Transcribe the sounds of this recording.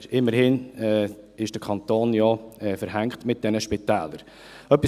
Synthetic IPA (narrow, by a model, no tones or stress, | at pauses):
ɾɪmːəɾhɪnɛː | ɪʃd̥əkʰɑnt̪oːnjɔɛfəɾɦæŋktmɪt̚d̥ɛnəʃpɪtɛːləɾ | œpi